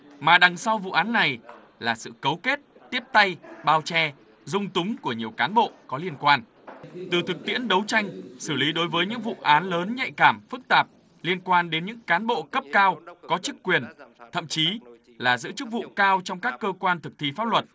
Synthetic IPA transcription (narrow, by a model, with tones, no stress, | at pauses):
maː˨˩ɗa˨˩ŋsa˧wvṵ˧˨ʔaː˨˦nːa˨˩j | laː˨˩sɨ̰˧˨kə˨˦wke˦˥t̚ | t̪i˦˥əp̚t̪a˧jɓaː˧wt͡ɕɛ˧ | zʊ˧ŋ͡mt̪ʊ˨˦ŋ͡mku˧˩əɲi˨˩əwkaː˨˦nɓo̰˧˨kɔ˨˦li˧ənkwaː˧n | t̪ɨ˨˩t̪ʰɨ˨˩k̚t̪ḭ˧˥ənɗə˨˦wt͡ɕa˧jŋ̟sɨ˧˩li˨˦ɗo˨˦jvəː˨˦jɲɨ̰˧˥ŋvṵ˧˨ʔaː˨˦nləː˨˦nɲa̰˧˨jkaː˧˩mfɨ˦˥k̚t̪aː˨˩p̚ | li˧ənkwaː˧nɗe˨˦nɲɨ̰˧˥ŋkaː˨˦nɓo̰˧˨kə˦˥p̚kaː˧wkɔ˨˦t͡ɕɨ˦˥kːwi˨˩ənt̪ʰə̰˧˨mt͡ɕi˨˦ | laː˨˩zɨ̰˧˥t͡ɕɨ˦˥k̚vṵ˧˨kaː˧wt͡ɕɔ˧wŋ͡mkaː˦˥kːəː˧kwaː˧nt̪ʰɨ˨˩k̚t̪ʰi˧faː˦˥p̚lwə˨˩t̚